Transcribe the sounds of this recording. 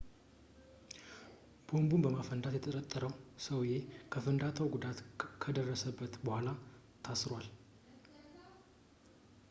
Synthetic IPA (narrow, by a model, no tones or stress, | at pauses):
b̥o̞mbumbəmafənd̪at̪jɛt̪ʰəɾət̪ʼːəɾəwsəwje̞kʰəfɨnd̪at̪ʰəwɡud̪at̪kʰəd̪ərːəsəbːət̪bəhʷala | t̪ʰasɾwal